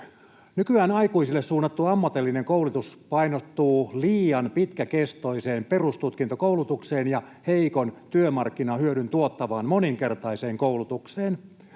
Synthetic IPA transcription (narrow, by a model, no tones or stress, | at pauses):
nykyæːnɑjkuisilːessuːnːɑt̪ːuɑmːɑt̪elːineŋkowlut̪uspɑinot̪ːuːliːjɑnpit̪kækest̪o̞iseːmpe̞rust̪ut̪kint̪okowlut̪ukseːnjɑ | heikont̪yømɑrkːinɑhyøɾynt̪uot̪ːɑʋɑːnmoniŋke̞rt̪ɑise̞ːŋkoulut̪ukseːn